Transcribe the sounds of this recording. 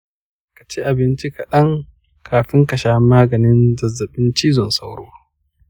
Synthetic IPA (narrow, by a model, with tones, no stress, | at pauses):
kḁ˨t͡ʃe˦ʔa˨bɪ˦nt͡ʃi˦ka˨ɗɐ˦ŋ | kʰaː˨ɸɪ˦ŋkɐ˨ʃaː˦maː˦ɡɐ˨nɪ˦nzɐ˨zːɐ˨ɓɪ˦nt͡ʃi˦zɔ˨nsa˦wɽoː˦wa˦